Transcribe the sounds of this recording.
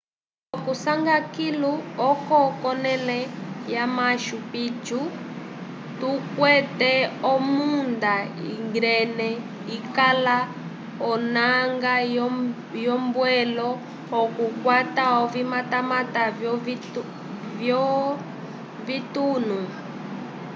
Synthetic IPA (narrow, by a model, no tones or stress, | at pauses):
ɔkusaŋɡakiluɔkɔkɔnɛlɛjamaʃupit͡ʃu | tukwɛtɛɔmundaḭŋɡɾɛnɛ | ikala | ɔnaŋɡajɔ | jɔmbwɛlɔː | kukwataɔvimatamatavɔ | vjɔ | vitunu